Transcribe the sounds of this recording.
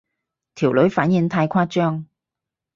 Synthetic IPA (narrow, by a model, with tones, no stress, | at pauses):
t̪ʰi˨˩wlɵ˨˥ɥfaː˨˥nji˧ŋt̪ʰaː˧jkʷʰwaː˥t͡ʃœː˥ŋ